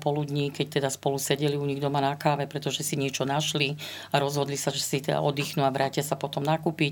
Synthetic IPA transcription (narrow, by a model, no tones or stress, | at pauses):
pɔlud̪ɲikɛc̚t̪ɛd̪aspɔlusɛɟɛliuɲiɣd̪ɔmanakaːʋɛpɾɛt̪ɔʒɛsiɲɪɛt͡ʃɔnaʃli | aɾɔzɦɔd̪lisaʒɛsit̪ɛd̪a̰ʔɔd̪iːxnuaʋɾaːcɪasapɔt̪ɔmnakuːpic